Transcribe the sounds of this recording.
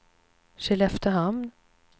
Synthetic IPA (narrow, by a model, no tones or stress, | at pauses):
ʃɪlɛft̪əɦamnn